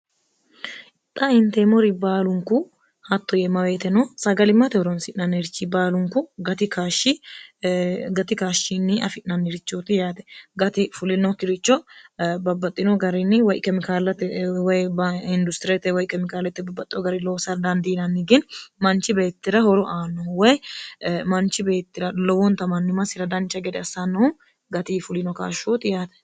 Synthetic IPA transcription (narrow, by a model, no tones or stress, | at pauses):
t̪ʼːɐɪnt̪ɛmɔɾɪbaːlʊŋkʊ | hɐt̪ːɔjɛmɐweːt̪ɛnɔsɐɡɐlɪmːɐt̪ɛhɔɾɔnsɪʔnɐniɾɪt͡ʃːibaːlʊŋkʊɡɐt̪ɪkaːʃɪ | ɡɐt̪ɪkaːʃinːɪɐ̰fɪʔnːɐnːiɾɪt͡ʃːot̪ɪjaːt̪ɛ̥ɡɐt̪ɪfʊlɪnɔkːɪɾɪt͡ʃːɔbɐbːɐt̪ʼːɪnɔɡɐɾɪnːɪwɔjkɛmɪkaːlɐt̪ɛwɔjbɪnd̪ʊst̪ɪɾɛt̪ːɛwɔjkɛmɪkaːlɛt̪ːɪbɐbːɐt̪ʼːɪɔɡɐɾɪloːsɐɾd̪ɐnd̪inɐnːɪɡɛnmɐnt͡ʃɪbe̞ːt̪ːɪɾɐhɔɾɔʔaːnːɔwɔj | mɐnt͡ʃːɪbe̞ːt̪ːɪɾɐlɔwɔnt̪ɐmɐnːɪmɐsɪɾɐd̪ɐnt͡ʃːɐɡɛd̪ɛɐsanːɐhʊ | ɡɐt̪ifʊlɪnɔka̰ːʃot̪ɪjaːt̪ɛ̥